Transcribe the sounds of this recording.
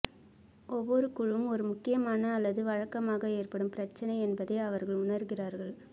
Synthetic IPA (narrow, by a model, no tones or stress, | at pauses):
ɔʋːɔɾɯkʊɻɯmɔɾɯmʊkːɪjɐmaːnɐːlːɐðɯʋɐɻɐkːɐmaːɣɐeːrpɐɽɯmpɪɾɐt͡ʃːɐnɐɪɛnbɐðɐɪɐʋɐɾɣɐɭʊnɐɾɣɪraːɾɣɐɭ